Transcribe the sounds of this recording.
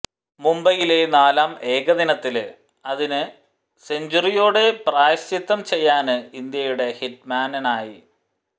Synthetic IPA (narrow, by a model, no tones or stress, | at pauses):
mumbɐjile̞naːlaːme̞ːɡɐðinɐt̪ːil | ɐðinɨ | seɲd͡ʑurijo̞ːɽe̞praːjɐɕit̪ːɐmt͡ɕe̞jːaːnɨind̪jɐjuɽe̞hiʈ̚maːnɐnaːji